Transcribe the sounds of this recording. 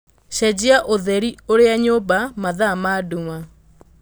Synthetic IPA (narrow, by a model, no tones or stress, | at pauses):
ʃɛd͡ʑiaʔoðɛɾioɾeaɲoːbamaðamaduŋa